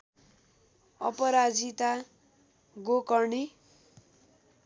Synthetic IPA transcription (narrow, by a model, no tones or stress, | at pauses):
ʌ̰pʌɾad͡zit̪a | ɡokʌɳi